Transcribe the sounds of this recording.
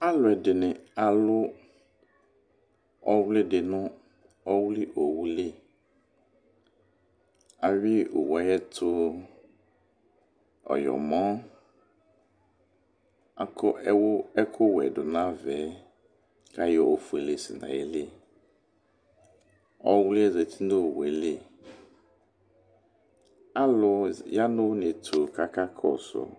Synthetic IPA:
a˦lʊ˨ɛ˨dɪ˨nɪ̃˨a˨lʊ˦ | ɔ˦wlɪ˦dɪ˨nʊ̃˦ | ɔ˦wlɪ˦ʔo˨wu˦lɪ˦ | a˨ɥi˦o̰˨wa˨˦jɛ˦tʰʊ˦ | ɔ̰˨jɔ̰˨mɔ̃˦ | a˨kwɛ˦kʰʊ˦wɛ̰˨dʊ˨nã˦vɛ˨˦ | ka˦jɔ˦˨o˨fu˨e˨le˨sɪ̰˨nã̰˨je˦le˦ | ɔ˦wlɪ˦ɛ˦ze˨tʰi˦no˦˨wɛ˨le˦˨ | a˦lʊ˨ja˦nʊ˦ne˨tʰʊ˨ka˦ka˦kʰɔ̰˦˨sʊ̰˨

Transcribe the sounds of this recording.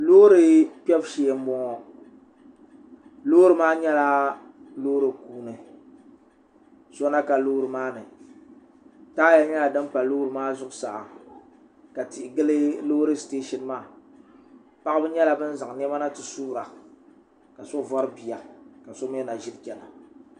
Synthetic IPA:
lo˦ɾɨ˦pɛ˦bʃeː˨m̩˦bɔ˨ŋɔ˨ | loː˦ɾɨ˨maː˦ɲɛ˦la˦ | loː˦ɾɨ˨kuː˦nɨ˨ | sɔ˦na˦ka˨loː˦ɾɨ˨maː˦nɨ˨ | taː˦ja˦ɲɛ˦la˨dɨ˦mk͡pa˨loː˦ɾɨ˨maː˦zʊ˦ʔʊ˦sa˨ʔa̰˨ | ka˨ti˨ʔɪ˨ɡɨ˦lɨ˦lo˦ɾɨ˦steː˦ʃɛ˨n˦maː˦˨ | pa˦ʔbɨ˦ɲɛ˦la˦bɨ˦n˦za˨ŋ˨n˦ɛ˦ma˦na˦tɨ˨suː˦ɾa˨ | ka˨so˦vɔ˦ɾɨ˦bi˨ja˨ka˨so˦m˦ɛ˦na˨ʒɪ˦dkʲɛ˨la˨

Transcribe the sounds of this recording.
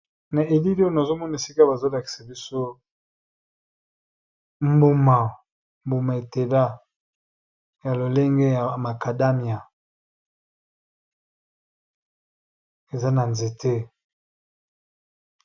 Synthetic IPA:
na˨ʔe˨li˦lo˦na˨zo˦mɔ˦na˨e˨si˦ka˦ba˨zo˦la˨ki̥˨sa˨bi˦so˦ | mbu˦ma˨ | mbu˨ma˨e˨te˨la˦ | ja˨lo˨le˦ŋɡe˦ja˨ma˨ka˨da˦mi˨a˨ | e˨za˦na˨nze˨tʰe˦

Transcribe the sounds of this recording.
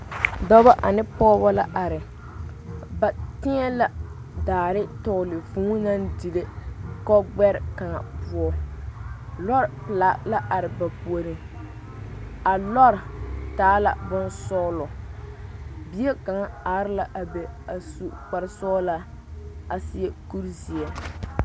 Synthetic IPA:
dɔ˦ba˦ʔa˨nɪ˦pɔː˦ba˦la˦ʔa˨ɾɪ˨ | ba˨tɪ˦ŋɛ˦la˦ | daː˨ɾɪ˦tɔ˦˨lɪ˨fũː˦na˦ndi˨le˦kɔ˦ɡ͡bɛ˦ɾɪ˨ka˨ŋa̰˨pʊ˦ɔ˦ | lɔ˦ɾɪ˨pɪ˨la˨˦la˦ʔa˨ɾɪ˨ba˨pu˨o˨ɾi˨ | a˨lɔ˦ɾɪ˨taː˨˦la˨bʊ˦nsɔ˦lɔ˨ | bi˦e˦ka˨ŋa˦aː˨˦ɾɪ˦la˨ʔa˨be˨a˨su˨k͡pa˨ɾɪ˦sɔ˦la˦ | a˨sɪ˦ɛ˦ku˦ɾzi˨ɛ˨

